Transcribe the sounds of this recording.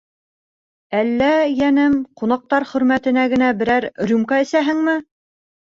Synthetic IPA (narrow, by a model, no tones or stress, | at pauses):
ælːæjænɘmqunɑq̚t̪ɑɾχɵ̆ɾmæt̪ɘ̆næɡɘ̆næbɘ̆ɾæɾɾʲumkɑɘ̆sæɦɘŋmɘ